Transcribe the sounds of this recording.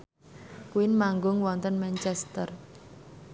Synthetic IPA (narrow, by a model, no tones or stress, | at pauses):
kuinmaŋɡʊŋwɔnt̪ənmɛnt͡ʃɛst̪ər